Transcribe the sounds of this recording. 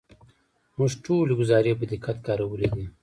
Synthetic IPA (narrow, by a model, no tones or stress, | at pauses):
muʐʈoːleɡʊzɑːɾebəd̪ikʰat̪kɑːɾɐwəled̪i